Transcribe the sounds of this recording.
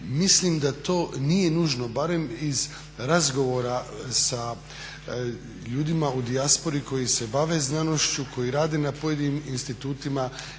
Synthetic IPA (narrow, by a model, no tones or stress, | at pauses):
mislimd̪at̪o̞ːnije̞nuːʒno̞baɾe̞miz | ɾazɡo̞ʋo̞ɾasa | ʎuːd̪imaud̪iaspo̞ɾiko̞jise̞baʋe̞znano̞ʃt͡ɕukʰo̞jiɾaːd̪enapo̞je̞d̪iniminst̪it̪uːt̪ima